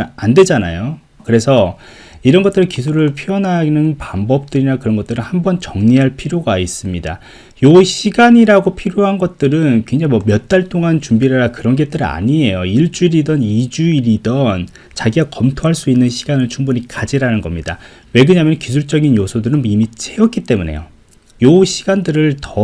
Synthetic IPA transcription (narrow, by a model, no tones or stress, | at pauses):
ande̞d͡ʑana̰jo | kɯɾe̞sʰʌ | iɾʌnɡʌt͈ɯɾɯnkisʰuɾɯɭpʰiʌnɦanɯnpambʌp̚t͈ɯɾinakɯɾʌnɡʌt͈ɯɾɯnhambʌnt͡ɕʌŋɲiɦaɭpʰiɾjoɡais͈ɯmɲida̰ | joiɕʰiɡaɲiɾaɡopʰiɾjoɦanɡʌt̚t͈ɯɾɯnkweŋd͡ʑaŋiwʌmjʌt̚t͈aɭt͈ʰoŋant͡ɕumbiɾaɾakɯɾʌnɡe̞t͈ɯɾa̰ɲie̞joiɭt͡ɕ͈uiɾidʌnid͡ʑuiɾidʌn | t͡ɕaɡiɡakʌmtʰoɦaɭs͈uinːɯnɕʰiɡanɯɭt͡ɕʰuŋbuɲikad͡ʑiɾanɯnɡʌmɲida̰ | we̞ɡɯɲamjʌnkisʰuɭt͡ɕ͈ʌɡinjosʰodɯɾɯnimit͡ɕʰe̞ʌk͈it͈e̞mune̞̰jo̰ | joɕʰiɡandɯɾɯɭtʌ